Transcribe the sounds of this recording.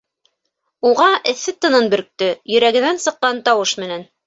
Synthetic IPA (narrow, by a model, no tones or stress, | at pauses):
uʁɑʔɘ̆θːɘt̪ɤ̆nɤnbɵ̆ɾk̚t̪ɘjɵ̆ɾæɡɘ̆nænsɤ̆qːɑnt̪ɑwɤʃmɘ̆næn